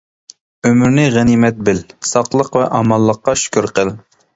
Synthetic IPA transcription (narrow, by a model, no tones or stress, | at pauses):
ømyɾnɪʁænimɛt̪̚bɪlsɑqlˠəqvɛ̰ʔɑmɑlˠːəqːɑʃy̥kʲʰyɾqʰəl